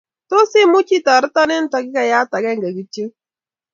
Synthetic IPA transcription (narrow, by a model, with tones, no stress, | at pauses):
to˦sɪ˦mʊ˦t͡ʃi˦ta˨ɾɪ˦ta˦ne˦n̩˦ta˨kɪ˦ka˨ja˦ta˨ɡɛ˦ŋɡa˨ɡi˦te˦